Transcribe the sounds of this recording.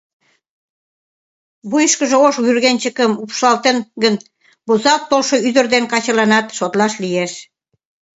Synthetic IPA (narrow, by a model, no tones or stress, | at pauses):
βujəʃkəʒĕoʃɣyrɣent͡ɕəkəmupʃɑlt̪enɡən | buzɑlt̪ːolʃoyd̪ə̆rd̪enkɑt͡ɕɑlɑnɑt̪ʃot̪lɑʃlijeʃ